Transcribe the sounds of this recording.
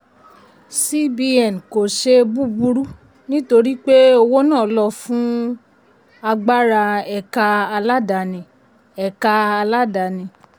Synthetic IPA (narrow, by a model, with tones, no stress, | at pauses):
si˦bi˧ɛ˨n˨ko˨ʃe˧bu˦bu˧ɾu˦ | nĩ˦to˧ɾi˦k͡pe˦o˧wo˦nãː˦˨˦lɔ˧˨fũ˦ | a˧ɡ͡ba˦ɾa˧ɛ˨ka˧a˧la˦da˨nĩ˨˧ | ɛ˨ka˧a˧la˦da˨nĩ˧˨